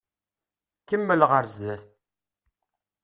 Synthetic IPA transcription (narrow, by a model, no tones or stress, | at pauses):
kəmːəlʁəɾzlæθ